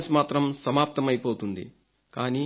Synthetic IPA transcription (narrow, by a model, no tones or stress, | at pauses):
smaːt̪ɾɐmsɐmaːp̚t̪ɐmɐjpoːt̪und̪ḭ | kaːniː